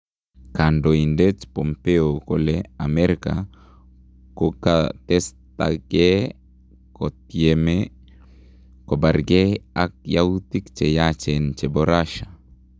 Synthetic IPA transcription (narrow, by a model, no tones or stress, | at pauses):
kandoindet͡ʃpɔmpeokolɛamɛɾka̰ | kokatɛsta̰ɡe | kɔteme | kɔbaɾɡeak̚jawutikt͡ʃejat͡ʃɛnt͡ʃɛbɔɾaʃa